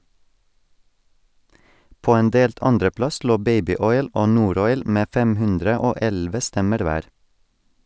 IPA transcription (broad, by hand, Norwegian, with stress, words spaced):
ˈpoː ˈeːn ˈdeːlt ˈɑnɖəˌplɑs ˈloː ˈbeɪbɪˌɔʏl ˈoː ˈnuːˌɾɔʏl ˈmeː ˈfɛm ˈhʉndɾə ˈoː ˈɛlʋə ˈstɛməɾ ˈʋæːɾ